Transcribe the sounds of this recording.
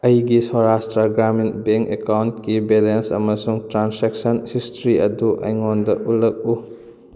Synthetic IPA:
ɐjɡisɔɾastɾɐɡɾaminbeŋkekawntkibelensɐ̰mɐsuŋtɾanseksɐnhistɾiɐduʔɐ̰jŋondɐʔulɐk̚u

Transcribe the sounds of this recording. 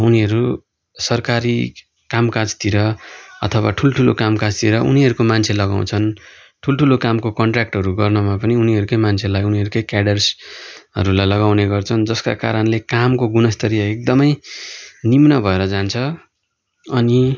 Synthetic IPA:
uniɦʌɾu | sʌrkaɾi | kamkad͡zt̪iɾʌʌ̰t̪ʰʌwaʈʰulʈʰulokamkad͡zt̪iɾʌʔuniɦʌɾukomant͡sʰelʌɡa̰w̃t͡sʰʌn | ʈʰulʈʰulokamkokʌɳʈrak̚ʈɦʌɾuɡʌrnʌmapʌniuniʌɾukʌjmant͡sʰelajuniɦʌɾukʌjkaɽʌrsʌ̰ɾulajlʌɡaw̃neɡʌrt͡sʰʌnd͡zʌska̰ka̰ɾʌnlekamkoɡunʌst̪ʰʌɾijʌek̚d̪ʌmʌj | nimnʌbʱʌeɾʌd͡zant͡sʰʌ | ʌni

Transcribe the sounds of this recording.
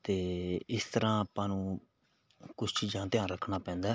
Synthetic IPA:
t̪eːɪst̪əɾãːəpãːnũː | kʊt͡ʃʰt͡ʃiːzãːt̪ɪãːɾəkʰnaːpɛ̃ːnd̪aː

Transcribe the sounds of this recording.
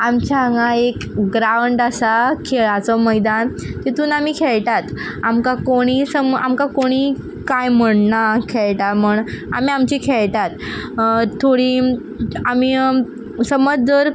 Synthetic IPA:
amt͡ɕaaŋɡaekɡɾauɳɖasakʰeɭat͡sɔməjd̪an | t̪it̪uːnamiːkʰeɭʈat̪ | amkakoɽ̃iːsəma̰mkakoɽ̃iː | kajm̤əɽnakʰeɭʈaməɳa̰miamt͡ɕikʰeɭʈ̪at̪ | t̪ʰːoɽi | amiː | səməd͡zd͡zəɾ

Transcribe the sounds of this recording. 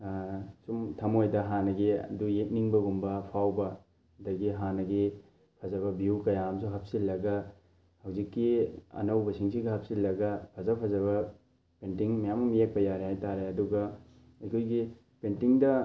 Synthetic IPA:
sumtʰɐmojdɐɦanɐɡiɐ̰dujek̚niŋbɐɡumbɐpʰawbɐ | dɐɡiɦanɐɡi | pʰɐzɐβɐbiukɐjamsuɦɐp̚silːɐɡɐ | hɐwzikːiɐ̰nɐwbɐsiŋsiɡɐhɐp̚silːɐɡɐpʰɐzɐpʰɐzɐβɐ | pentiŋmɐjamɐmjek̚pɐjaɾeɦajtaɾeɐduɡɐ | ɐjkʰojɡi | pentiŋdɐ

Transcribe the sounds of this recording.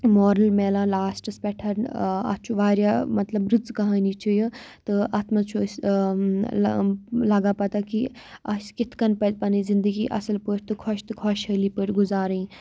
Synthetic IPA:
moːɾəlmeːlãːlaːsʈɐspɛʈʰɐɾnɐ̰t͡ʃʰuʋaːɾjamɐt̪lɐbɾɪzkɐɦãːnit͡ʃʰujət̪ɨat̪mɐt͡ʃʰus | lɐɡaːpɐt̪akiɐskɪt̪ʰkɐnpɐd̪̚pɐnizind̪əɡiːʔɐ̰səlpəɾʲt̪ɨkʰɔʃt̪ɨkʰɔʃɦəliːpəɾʲɡʊzaːɾĩː

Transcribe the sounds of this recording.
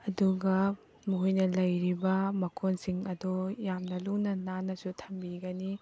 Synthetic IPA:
ɐduɡɐ | muɦojnɐlɐjɾibɐmɐkʰonsiŋɐdojamnɐluŋnɐnanɐsutʰɐmbiɡɐni

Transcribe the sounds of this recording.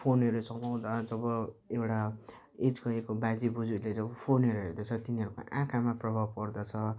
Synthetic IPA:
pʰoneɾesʌmaw̃d̪ad͡zʌbʌewʈa | ed͡zɡʌekobad͡zibud͡zuled͡zʌbʌpʰonɦeɾoɦerd̪ʌt͡sʰʌt̪iniɦʌɾuko̰ʔãkʰamaprʌbʱab̚kʌrd̪ʌt͡sʰʌ

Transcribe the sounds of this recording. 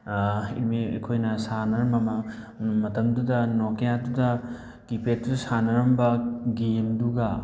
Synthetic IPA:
ḭmiɐ̰kʰojnɐsanɐɾɐmɐmɐ | mɐtɐmdudɐnokejadudɐ | kipet̚dudɐsanɐɾɐmbɐɡemduɡɐ

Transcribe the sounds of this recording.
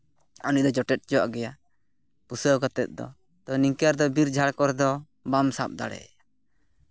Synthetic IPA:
ɔniʔ̚d̪ɔd͡ʒɔʈɛt̪̚d͡ʒɔwa̰ʔɡɛja | pusəɡɔt̪ɛt̪̚d̪ɔ̰ | t̪ɔniŋkaɾd̪ɔbiɾd͡ʒʱaɽkɔɾd̪ɔ | bamsa̰p̚d̪a̰ɽɛ̰a

